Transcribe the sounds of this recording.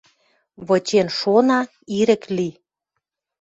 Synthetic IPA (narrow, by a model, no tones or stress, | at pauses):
βɤt͡ɕenʃonɑ | iɾə̆kli